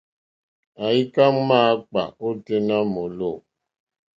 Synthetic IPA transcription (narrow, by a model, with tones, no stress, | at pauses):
a˨i˦ka˦ŋma˦k͡pa̰˨o˦te˦na˦mo˨lo˦˨